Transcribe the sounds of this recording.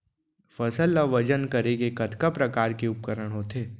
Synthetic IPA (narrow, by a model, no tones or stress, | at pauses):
fɐsəlːaʋɐd͡ʒənkɐɾeɡekɐt̪kapɾɐkaːɾkeʊp̚kəɾəɽ̃ɦoːt̪ʰeː